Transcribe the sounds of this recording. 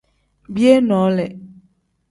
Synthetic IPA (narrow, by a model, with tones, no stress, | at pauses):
bi˦e˦nɔ̃˨˦lɛ˨